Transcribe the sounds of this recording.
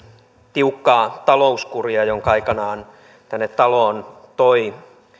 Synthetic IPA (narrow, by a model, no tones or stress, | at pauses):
t̪iukːɑːt̪ɑlouskuriɑjoŋkɑɑikɑnɑːn | t̪ænːet̪t̪ɑloːnt̪oi